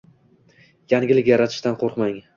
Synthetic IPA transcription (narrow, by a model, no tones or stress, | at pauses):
jaŋɡʲɪlɪkʲjaɾat̪ʰɪ̥ʃt̪anqʰoɾqmaŋ